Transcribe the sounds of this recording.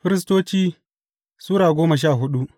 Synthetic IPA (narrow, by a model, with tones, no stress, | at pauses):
ɸɪ˦ɾɪ˦s̬toː˦t͡ʃiː˦ | suː˦ɾaː˨ɡʷoː˦mɐ˨ʃ̬aː˦˨ɦʊ˦ɗu˦